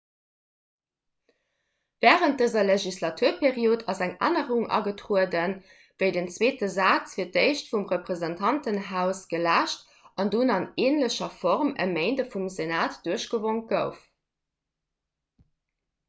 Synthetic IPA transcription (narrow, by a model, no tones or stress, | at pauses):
vɛːʁənt̚d̥əzɐleʒislɑtʰuːɐpʰeʁioːtʰɑzæŋa̰ːnəʁuŋʔɑ̰ɡətʁuədən | vəɪdənt͡sweːtəzɑːt͡sfiːɐt̚eɪʃtfumʁəpʁ̥ezəntʰɑntənɦaʊsɡ̥əlæːʃt | ɑndunɑneːnləɕɐfɔʁmə̰meɪndəfumzenaːtd̥uəɕɡ̥əvoŋ̚ɡ̥əʊf